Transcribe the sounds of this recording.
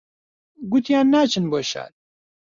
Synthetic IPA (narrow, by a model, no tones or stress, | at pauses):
ɡut̪jaːnːaːt͡ʃʰɨnboʃa̰ːt̪̚